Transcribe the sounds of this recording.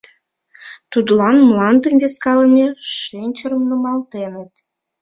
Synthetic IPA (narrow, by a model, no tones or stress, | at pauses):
t̪ud̪lɑnmlɑnd̪ə̆mvʲeskɑləmʲeʃenʲt͡ɕəɾəmnəmɑlt̪enə̆t̪